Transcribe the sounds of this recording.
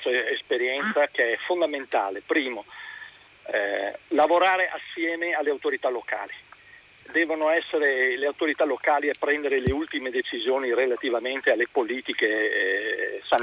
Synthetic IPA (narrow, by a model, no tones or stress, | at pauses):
t̪oespeɾjɛnt̪sakeɛfond̪ament̪a̰ːlepɾiːmo | lavoɾaːɾeʔasːjɛːmealːeawt̪oɾit̪alːoka̰ːli | d̪ɛːvonoɛsːeɾeleawt̪oɾit̪alːokaːliɛpːɾɛnd̪eɾeleult̪imed̪et͡ʃizjoːnirelat̪ivament̪ealːepoliːt̪ike | san